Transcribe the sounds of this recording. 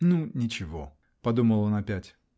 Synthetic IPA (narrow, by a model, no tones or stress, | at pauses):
nunʲɪt͡ɕɪvo̰ | pɐd̪uməlˠonɐpʲætʲ